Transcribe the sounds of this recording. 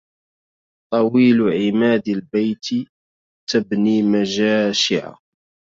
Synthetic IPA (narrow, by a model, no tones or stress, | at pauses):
t̪ˤɑwiːlʕɪmaːd̪ɪlbajt̪ | t̪abniːmaʒaːʃɪʕa̰